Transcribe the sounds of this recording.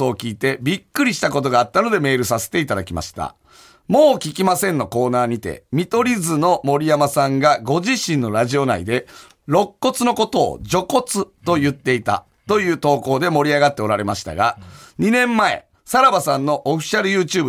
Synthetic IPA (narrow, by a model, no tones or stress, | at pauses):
oːkʲiːt̪e̞bʲikːɯ̟ɾʲiɕi̥t̪ako̞t̪̬o̞ɡaːt̪ːano̞d̪e̞me̞ːɾɯ̟s̬ase̞̥t̪e̞it̪ad̪akʲima̰ɕi̥t̪a̰ | mo̞ːkʲikʲimasẽ̞nːo̞ko̞ːnaːɲ̟it̪e̞̰mʲit̪o̞ɾʲizɨno̞mo̞ɾʲijamasãŋɡaɡo̞ʑiɕĩnːo̞ɾaʑio̞naḭd̪e̞ | ɾo̞kːo̞t͡sɨno̞ko̞t̪o̞̰ːd͡ʑo̞ko̞t͡sɨt̪o̞jɯ̟t̪ːe̞it̪a̰ | t̪o̞jɯ̟ːt̪o̞ːko̞ːd̪e̞mo̞ɾʲiaɡat̪ːe̞o̞ɾaɾe̞maɕi̥t̪a̰ɡa̰ɲ̟inẽ̞mːae̞̰ | saɾabasãnːo̞ʔoɸʲi̥ɕaɾɯ̟jɯ̟ːt͡ɕɨːb